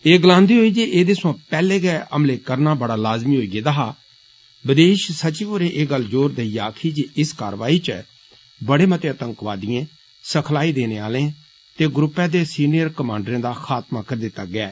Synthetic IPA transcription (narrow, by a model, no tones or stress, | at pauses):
eːɡəlãːnd̪iːɦoːiːd͡ʒeʔeːd̪eːsãːpɛːleːɡɛːʔəmleːkəɾnaːbəɽaːlaːzmiːɦoːiːɡeːd̪aɦaː | bəd̪eːʃsət͡ʃiʋoːɾeːʔeːɡəld͡ʒoːɾd̪eijaːkʰiːd͡ʒeɪskaːɾʋaːiːt͡ʃə | bəɽeːmət̪eːət̪ə̃ŋkʋaːd̪iẽː | səkʰlaːiːd̪eːneːaːlẽː | t̪eːɡɾʊpːɛ̃ːd̪eːsiːnɪjəɾkəmãːɳɖɾẽːd̪aːxʰaːt̪maːkəɾd̪ɪt̪ːaːɡɪɛː